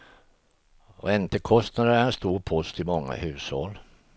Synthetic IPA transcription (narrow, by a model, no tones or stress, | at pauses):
ɔ̰ɛnt̪əkʰɔst̪nad̪əæɾɛnst̪uːɾpʰɔst̪ɪmɔŋːa̰hʉ̟ːshɔl